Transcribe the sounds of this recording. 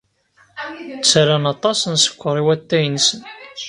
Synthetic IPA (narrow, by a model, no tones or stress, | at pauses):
t͡sːɾanɑt̪ˤɑsənsə̥kʷːəɾˤiwæt̪ːæjənsən